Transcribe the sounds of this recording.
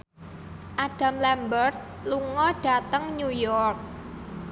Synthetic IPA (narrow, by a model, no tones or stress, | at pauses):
ʔaɖ̥a̤mlɛmbərt̪̚ | luŋɔɖ̥a̤t̪əŋɲujɔrk̚